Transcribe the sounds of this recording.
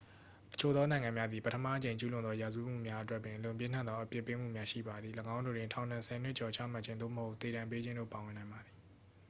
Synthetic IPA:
ʔə̥t͡ɕʰo˨d̪ɔ˦nã˨ɪ̃ŋã˨mja˦d̪ði˨pə˦tʰəma̰˦˨ət͡ɕẽ˨ɲt͡ɕu˦lʊ̃˨nd̪ɔ˦ja˨zu˦m̥ṵ˦˨mja˦ʔətwɛ˦ʔpːjɪ̃˨ʔlʊ̃˨mp̬jɪ̃˦n̥ã̰˦˨nɔ˦ʔəpjɪ˦pːe˦m̥ṵ˦˨mja˦ʃḭ˦˨ba˨d̪ði˨ləɡã˦ndo˨dwɪ̃˨tʰã˨ʊ̃n̥ã˨nsʰɛ˨n̥wɪ˦ʔt͡ɕɔ˨t͡ɕʰä̰˦˨ma˦ʔt͡ɕʰɪ̃˦nd̪o̰˦˨məho˦ʊt̪θe˨ɾã˨mpe˦d͡ʑɪ̃˦ndo̰˦˨pa˨wɪ̃˨nã˨ɪ̃mba˨d̪ði˨

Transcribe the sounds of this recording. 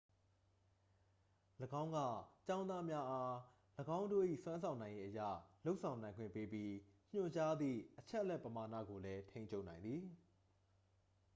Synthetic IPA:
ləɡã˦ʊ̃ŋɡä̰˦˨t͡ɕã˦ʊ̃nd̪a˦mja˦ʔa˦ | ləɡã˦ʊ̃ndo˦˨ʔḭ˦˨swã˦nsʰã˨ʊ̃nã˨ɪ̃je˦ʔəjä̰˦˨lo˦ʊʔsʰã˨ʊ̃nã˨ɪ̃ŋɡwɪ̰̃˦˨pe˦pji˦ɲ̥ʊ̃˦˨t͡ɕa˦d̪ðḭ˦˨ʔət͡ɕʰɛ˦ʔəlɛ˦ʔpːəma˨nä̰˦˨ɡo˨lɛ˦tʰẽ˦ɪ̃ɲt͡ɕʰo˦ʊʔnã˨ɪ̃nd̪ði˨

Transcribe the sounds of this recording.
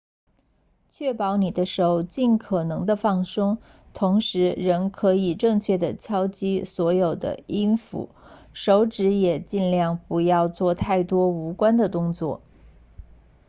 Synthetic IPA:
t͡ɕʰɥɛ˥˩pɑ˧˥ʊni˨˩d̪ə˦ʂo˧˥ʊt͡ɕi˥˩nkʰɤ˨˩nɤ˧˥ŋd̪ə˧fɑ˥˩ŋsɤ˥ŋ | t̪ʰʊ˧˥ŋʂɻ̩˧˥ɻə˧˥nkʰɤ˧˥i˨˩ʈ͡ʂɤ˥˧ŋt͡ɕʰɥɛ˥˩d̪ə˩t͡ɕʰjɑ˥ʊt͡ɕi˥swɔ˧˥jo˨˩ʊd̪ə̰˦i˥nfṵ˧˩ | ʂo˧˥ʊʈ͡ʂɻ̩˧˥jɛ˨˩t͡ɕi˥˧nljɑ˥˩ŋpu˧˥jɑ˥˧ʊt͡swɔ˥˧t̪ʰa˥˩ɪt̪wɔ˥u˧˥kwa˥nd̪ə˨t̪ʊ˥ŋt͡swɔ̰˥˩

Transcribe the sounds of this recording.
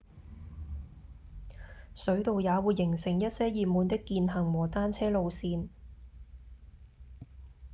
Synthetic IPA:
sɵ˨˥ɥt̪o˨wjaː˨˧wuː˨˧jːɪ˨˩ŋsɪ˨˩ŋjɐ˥t̚sɛː˥jiː˨˧p̚muː˨˧nt̪ɪ˥kːiː˧nɦɐ˨˩ŋwɔː˨˩t̪aː˥nt͡sʰɛː˥lo˨˧wsiː˧n

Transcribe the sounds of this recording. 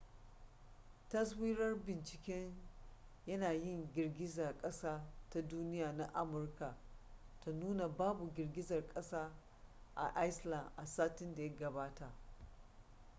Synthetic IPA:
tɐ˦s̬wiː˦ɾɐ˦rbɪ˨nt͡ʃɪ˨kʲɛ˦ɲ | jɐ˦naː˨jɪ˦˨ŋɡʲɪ˨rɡʲɪ˦za˨kʼɐ˦saː˦ta˦duː˦nɪ˦jaː˨na˦ʔa˦mʊ˨rka˨ʔ | ta˨nuː˦na˨baː˦bu˨ɡʲɪ˨rɡʲɪ˦zɐ˨rkʼɐ˦saː˦ | ʔa̰˨ʔa˦jsla˨nʔa˨saː˦tɪ˦nda˨jɐ˦ɡɐ˨baː˦ta˨ʔ

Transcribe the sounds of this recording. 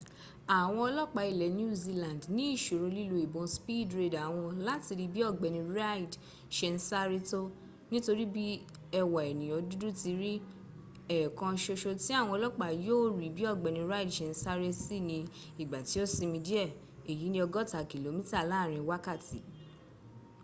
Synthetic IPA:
a˨w̃ɔ̃˧ɔ˧lɔ˦k͡pa˧˨i˨lɛ˨ñ˦˨zi˧lã˨ndnĩ˨˦i˦˨ʃo˨ɾo˧li˦lo˧i˨bõ˧spi˦˨dɾe˦˨da˨w̃ɔ̃˧la˦ti˧ɾi˧bi˦ɔ˦˨ɡ͡bɛ˨nĩ˧ɾa˦˨i˨d | ʃɛ˧n˦sa˦ɾe˦to˦ | nĩ˦to˧ɾi˦bi˦ | ɛ˧wa˨ɛ˨nĩ˨j̃ɔ̃˨˦du˦du˦ti˧ɾi˦ | ɛ˦˨kã˧ʃo˧ʃo˧ti˦a˦˨w̃ɔ̃˧ɔ˧lɔ˦k͡pa˨joː˦˨ɾi˨bi˦ɔ˦˨ɡ͡bɛ˨˧nĩ˧ɾa˦i˦dʃɛ˧n̩˧˦sa˦ɾe˦si˦nĩ˧ | i˨ɡ͡ba˨ti˨˦o˦si˧mĩ˧di˦ɛ˦˨ | e˨ji˨˦nĩ˦ɔ˧ɡɔ˦ta˨ki˨lo˨˦mĩ˦ta˦˨laː˦˨ɾ̃ĩ˧wa˦ka˦˨ti˨˦

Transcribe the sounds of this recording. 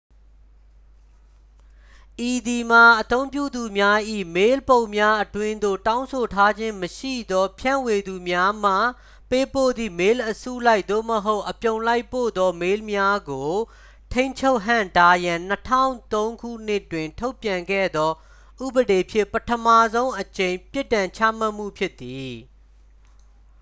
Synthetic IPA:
ʔi˨d̪i˨ma˨ʔət̪õ˦ʊ̃mpjṵ˦˨d̪u˨mja˦ʔḭ˦˨me˦lpõ˨ʊ̃mja˦ʔətwɪ̃˦nd̪o̰˦˨tã˦ʊ̃nsʰo˨tʰa˦d͡ʑɪ̃˦məʃḭ˦˨d̪ɔ˦pʰjã̰˦˨we˨d̪u˨mja˦m̥a˦˨ | pe˦po̰˦˨d̪ðḭ˦˨me˦lʔəsṵ˦˨la˦ɪʔ̪̚d̪o̰˦˨məɦo˦ʊʔːəpjõ˨ʊ̃la˦ɪpːo̰˦˨d̪ɔ˦me˦lmja˦ɡo˨ | tʰẽ˦ɪ̃ɲt͡ɕʰo˦ʊʔɦã̰˨nta˦jã˨n̥ətʰã̰˦˨ʊ̃t̪õ˦ʊ̃ŋkṵ˦˨n̥ɪ˦twɪ̃˨ntʰo˦ʊpjã˨ŋɡɛ̰˦˨d̪ɔ˦ | ʔṵ˦˨bəde˨pʰjɪ˦˨pətʰəma˦˨zõ˦ʊ̃ʔət͡ɕẽ˨ɪ̃pjɪ˦tːã˨ɲt͡ɕʰa̰˦˨m̥a˦˨ʔm̥ṵ˦˨pʰjɪ˦t̪ːi˨

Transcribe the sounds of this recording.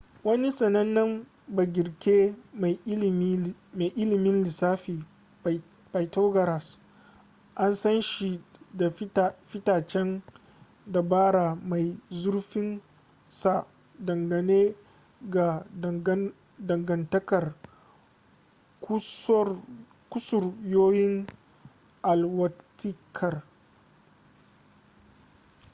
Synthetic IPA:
wɐ˦ni˦sʼɐ˨nɐ˦nːɐ˦m | ba˨ɡʲɪ˨ɾkʲeː˦ma˨jma˨jʔɪ˦lɪ˨mɪ˦nlɪ˨saː˦ɸiː˨ | pa˨jtoː˦ɡɐ˨ɾa˨s | ʔa˦nsɐ˦nʃi˨da˨˦˨ɸɪ˦taː˨t͡ʃɛ˦n | da˨baː˦ɽa˨ma˨jzʊ˦rɸɪ˦n | sa˨ | dɐ˨ŋɡɐ˨neː˦ | ɡa˨˦ | dɐ˨ŋɡɐ˨ntɐ˦kɐ˨r | kʷʊ˦sʊ˨rjoː˦jɪ˦ŋ | ʔa˨lwɐ˦tɪ˦kʰɐ˨r

